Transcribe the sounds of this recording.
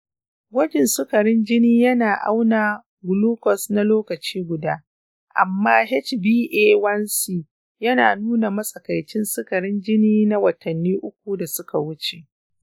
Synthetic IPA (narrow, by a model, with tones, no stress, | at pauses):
wɐ˦d͡ʒɛ˨nsʊ˦kɐ˨ɾɪ˦nd͡ʒɪ˦niː˦jɐ˦naː˨ʔa̰˦wnaː˨ | ɡʊ˨luː˦kɔ˨sna˦loː˦kɐ˨t͡ʃiː˦ɡʷʊ˨daː˦ | ʔa̰˨mːaː˦ɦɛ˦t͡ʃbiː˦ʔeː˦wɐ˦nsi˦˨ | jɐ˦naː˨nuː˦na˨mɐ˦sʼɐ˨ka˨jt͡ʃɪ˦nsʊ˦kɐ˨ɾɪ˦nd͡ʒɪ˦niː˦na˦wɐ˨tʰɐ˨nːiː˦ʔʊ˦kʷu˨da˨sʊ˦ka˨wʊ˦t͡ʃe˨ʔ